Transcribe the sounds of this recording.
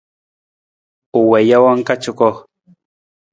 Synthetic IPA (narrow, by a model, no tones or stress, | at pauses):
ʊwejawaŋkat͡ʃʊkoχ